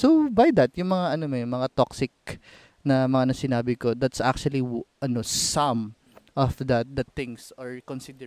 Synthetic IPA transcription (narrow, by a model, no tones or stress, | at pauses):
sobɐjd̪ɐt̪̚jʊŋmɐŋaʔɐnomojmɐŋat̪oksɪk̚ | nɐmɐŋanɐsɪnaːbɪko̞d̪at̪sa̰k̚t͡ʃuɐliʔɐnosɐ̃m | ʔɔfd̪ɐt̪̚d̪ɐt̪ɪ̃ŋsaɹkonsid̪ɛ